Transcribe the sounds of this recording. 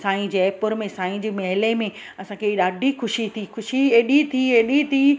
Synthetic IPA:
sãːĩd͡ʑeːpʊɾmẽsãːĩd͡ʑeːmɐɦɪlemẽ | ɐsãkʰeɗaːɖʱixʊʃit̪ʰixʊʃieːɗit̪ʰieːɗit̪ʰiː

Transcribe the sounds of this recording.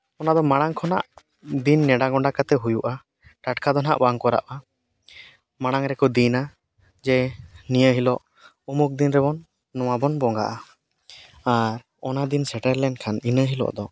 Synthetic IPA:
ɔnad̪ɔmaɽ̃aŋkʰɔna̰ʔ | d̪inːɛɖaɡɔɳɖakat̪ɛɦujuʔa | ʈaʈkʰad̪ɔna̰ʔbaŋkɔɾa̰ʔa | maɽ̃aŋɾɛkɔd̪ina | d͡ʒɛnijəɦilɔʔ | umuk̚d̪inɾɛbɔnː | ɔwabɔnbɔŋɡa̰ʔa | aɾ | ɔnad̪insɛʈəɾlɛɳɖkʰaninəɦilɔ̰ʔd̪ɔ

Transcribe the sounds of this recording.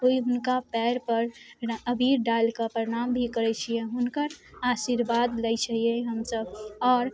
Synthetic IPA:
oiɦʊnkapɛɾpəɾəbʱiɾɖalkapəɾeɽ̃ambʱikəɾɛt͡ʃʰijeɦʊnkəɾaʃiɾbad̪ləjt͡ʃʰəɦieɦəmsəbɔːɾ

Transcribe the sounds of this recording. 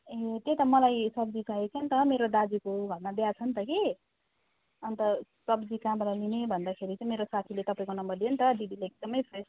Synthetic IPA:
et̪et̪ʌmʌlajsʌb̚d͡zit͡sʰaet͡sʰʌnt̪ʌmeɾod̪ad͡zikobʱʌnmad̪jat͡sʰʌnt̪ʌke | ʌnt̪ʌsʌbd͡zikãmɾalinebʱʌnd̪akʰeɾit͡saĩmeɾosat̪ʰilet̪ʌpaĩkonʌmbʌrd̪ijʌnt̪ʌd̪id̪ʱileek̚d̪ʌmʌjpʰres

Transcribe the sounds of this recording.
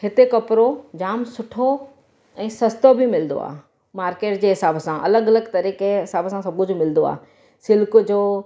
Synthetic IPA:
hɪt̪ekɐpɾod͡ʑaːmsʊʈʰo | ɛ̃ːsɐst̪obʱimɪlnd̪o̰a̰ːɦ | maːɾkeːʈd͡ʑeːɦɪsaːbsãʔɐləɡɐləɡt̪ɐɾiːkeɦɪsaːbsãsɐbʊ̃d͡ʑomɪlnd̪oa̰ː | sɪlkʊd͡ʑoː

